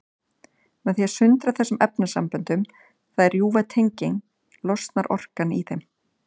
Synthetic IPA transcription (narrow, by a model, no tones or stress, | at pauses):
mɛðθiaðsʏnt̪ɾaθɛsːʏmʔɛpnasampʏnt̪ʏm | θaðɛɾjuːvat̪ʰejɲcɪŋ | lɔst̪naɾʔɔ̰r̥kaniθejm